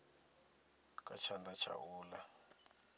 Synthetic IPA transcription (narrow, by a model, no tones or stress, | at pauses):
kʼat͡ʃʰandat͡ʃʰa̰ʔuːla